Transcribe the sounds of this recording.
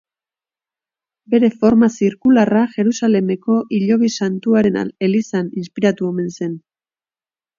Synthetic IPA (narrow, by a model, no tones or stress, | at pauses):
be̞ɾe̞fo̞ɾmasiɾkularaʝe̞ɾusale̞me̞ko̞ʔiʎo̞βisant̪uaɾe̞na̰le̞lisaninspiɾat̪uo̞me̞nse̞n